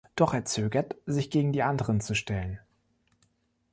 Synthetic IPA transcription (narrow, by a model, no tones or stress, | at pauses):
d̥ɔχeːɐt͡søːɡɐtz̥ɪçɡ̥eːɡŋ̩diːʔandəʁənt͡suʃtɛlən